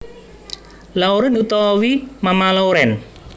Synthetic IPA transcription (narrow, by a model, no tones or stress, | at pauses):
lauɾɛnut̪ɔwimamalauɾɛn